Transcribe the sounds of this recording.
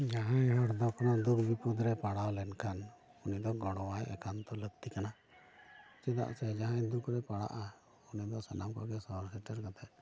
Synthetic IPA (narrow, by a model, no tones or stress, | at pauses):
d͡ʒaɦãjɦɔɽd̪ɔkʰɔnad̪ukʰbipud̪ɾɛpaɽawlɛnkʰan | unid̪ɔɡɔɽɔwajʔɛ̰kʰant̪ɔləɡt̪ikana | t͡ʃɛd̪a̰ʔsɛd͡ʒaɦãjd̪ukʰɾɛpaɽa̰ʔa | unid̪ɔsanamkɔɡɛsɔɦɔɾsɛʈəɾkat̪aʔ̚